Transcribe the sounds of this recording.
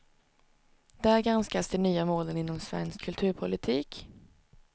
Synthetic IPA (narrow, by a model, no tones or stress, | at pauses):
d̪̥æɾɡɾanskasd̪ɛnyːamoːlənɪnːɔmsvɛ̰nskkʰːɵlt̪ʰʉ̟ːɾpʰʊlɪt̪ʰiːk